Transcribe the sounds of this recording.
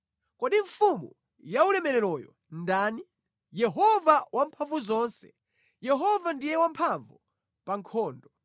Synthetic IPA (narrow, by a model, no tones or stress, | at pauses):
kɔɗiɱfumṵ | jaulɛmɛɾɛɾɔjɔ̰ | ndaːni | jɛɦɔvawampʰaɱvuzɔːnsɛ̥̰ | jɛɦɔvandijɛwampʰaɱvu | paŋkʰɔːndɔ